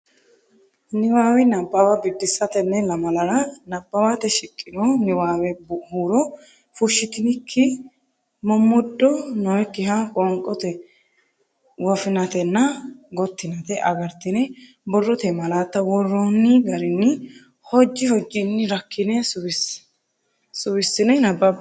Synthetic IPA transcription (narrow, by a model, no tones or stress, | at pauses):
nɪwaːwɛnɐbːɐwabɪd̪ːɪsɐt̪ɛnːɛlɐmɐlɐɾɐnɐbʼːɐwat̪ɛʃɪkʼːɪnonɪwaːwɛbhuːɾɔ | fʊʃːɪt̪ɪnɪkʰːɪ | mɔmːʊd̪ːɔnɔwɛkːɪɦakʼɔŋkʼːɔt̪ɛ | wɔfɪnɐt̪ɛnːɐɡɔt̪ːɪnɐt̪ɛʔɐɡɐɾt̪ːɪnɛ | bɔrːɔt̪ɛmɐlaːt̪ːɐwɔrːɔnːɪɡɐɾɪnːɪ | hɔd͡ʒːɪhɔd͡ʒːɪnːɪɾɐkʰːɪnɛsʊwɪs | sʊwɪsːɪnɛnɐbːɐ